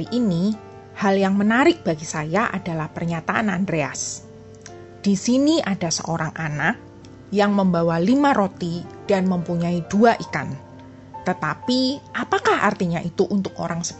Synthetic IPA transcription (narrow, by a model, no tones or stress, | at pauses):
iʔini | haljaŋmənaɾɪk̚b̥aɡisajaʔa̰dalahpərɲat̪aʔanandɾea̰s | d̥isiniʔadasə̰ʔoɾaŋʔanak̚ | jaŋməmbawalimaɾot̪id̥anməmpuɲaiduaʔikan | t̪ət̪apiʔapakaha̰rt̪iɲaʔit̪uʔunt̪ʊk̚oɾaŋsə̥b